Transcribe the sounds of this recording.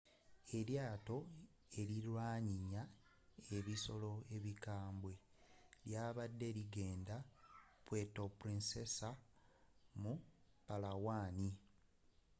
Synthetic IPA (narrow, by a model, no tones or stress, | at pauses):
e̞ljaːto̞ | e̞ɾilwaːɲiɲa | e̞βiso̞lo̞e̞βikaːmbwe̞ | ljaːβadːe̞liɡe̞ːndapwe̞topuɾinse̞sa | mupalawaːni